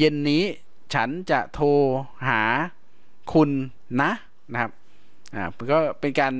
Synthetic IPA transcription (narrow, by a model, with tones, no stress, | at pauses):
je˧nːiː˦˥ | t͡ɕʰa˦˥nt͡ɕa˨˩ʔt̪ʰoː˧ɦaː˩˦ | kʰu˧nː | a˦˥ʔ | na˧˦kʰa˦˥p̚ | ʔaː˨˩kɔː˥˩pe˧nkaː˧n